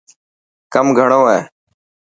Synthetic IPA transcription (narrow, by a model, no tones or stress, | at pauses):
kəmɡʱəɳoːeː